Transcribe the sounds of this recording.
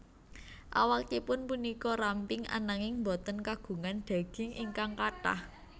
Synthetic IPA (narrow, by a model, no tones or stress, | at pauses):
ʔa̰wakipʊnpunikɔɾampɪŋa̰naŋɪŋmbɔt̪ənkaɡ̥ṳŋanɖ̪̥a̤ɡ̥ɪ̤ŋʔiŋkaŋkaʈa̰h